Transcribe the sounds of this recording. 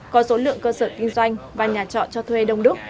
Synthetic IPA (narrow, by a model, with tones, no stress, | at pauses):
kɔ˨˦so˨˦lɨ̰˧˨əŋkəː˧səː˧˩ki˧ŋ̟zwa˧jŋ̟vaː˨˩ɲaː˨˩t͡ɕɔ̰˧˨nt͡ɕɔ˧t̪ʰwe˧ɗə˧wŋ͡mɗɨ˦˥ək̚